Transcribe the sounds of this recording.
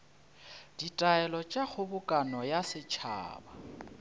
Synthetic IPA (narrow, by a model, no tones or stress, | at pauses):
d̥itʼaɛlɔt͡ʃʼak͡xʰʊbʊkʼanɔjasɪt͡ʃʰa̰ːba